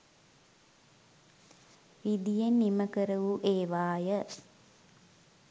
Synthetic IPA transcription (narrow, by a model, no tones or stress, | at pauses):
ʋid̪ijenːiməkəɾəʋuʔeːʋaːjə